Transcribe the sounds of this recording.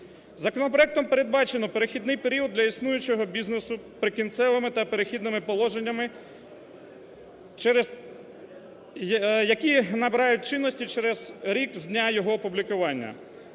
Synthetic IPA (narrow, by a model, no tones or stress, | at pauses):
zɐkɔnɔpɾɔɛk̚t̪ɔmpeɾe̞d̪̚bɑt͡ʃenɔpeɾexʲid̪nɪjpe̞ɾʲiwɔd̪ːlʲɐisnujʊt͡ʃɔɦɔbʲiznesʊpɾɪkʲint̪sɛʋɪmɪt̪ɐpeɾexʲid̪nɪmɪpɔlˠɔʒenʲːɐmɪ | t͡ʃɛɾe | jɐkʲinɐbeɾɑjʊt̚ʲt͡ʃɪnːɔsʲtʲit͡ʃɛɾɛzɾʲikzʲdʲnʲajɔɦɔpublʲikʊʋɑnʲːɐ̰